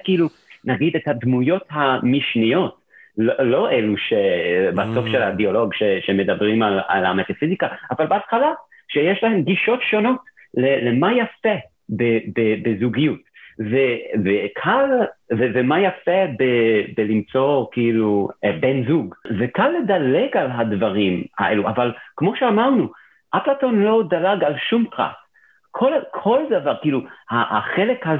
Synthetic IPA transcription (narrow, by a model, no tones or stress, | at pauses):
kiilu | naɡid̪et̪had̪mujo̞thamiʃnijo̞t | lolo̞ʔeluʃebasofʃelabiolo̞ɡʃeʃemed̪abʁimala̰la̰met̪afizikaːvalbeat̪χala | ʃejeʃlahemɡiʃo̞tʃo̞no̞t | lelemajafe | bebebezuɡijutvevekʰalvevemajafebebelimt͡sokiilubenzuɡvekalːed̪aleɡalɦadvaʁima̰ʔeluʔa̰valkmo̞ʃeamaʁnu | ʔaplatonlo̞d̪alaɡalʃumpʁa̰t | kʰolkʰo̞ldavaʁkiiluhaaχelekha